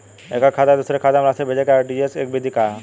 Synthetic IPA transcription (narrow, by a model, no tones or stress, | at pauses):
eːkakʰaːd̪ad̪usɾekʰaːd̪amlasebʱed͡ʒekaɖiesḛːk̚bʱid̪ʱikaː